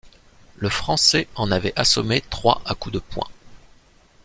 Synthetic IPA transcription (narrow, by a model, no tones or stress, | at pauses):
ləfχɑ̃sɛɑ̃navɛʔasɔmet̪χwa̰ʔakud̪əpwɛ̰̃